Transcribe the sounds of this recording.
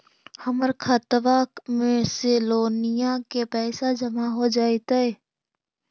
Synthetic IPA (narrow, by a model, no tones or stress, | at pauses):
həməɾkʰat̪ʋakmẽseloːnijakepɛːsad͡ʒəmaɦod͡ʒaːet̪aeː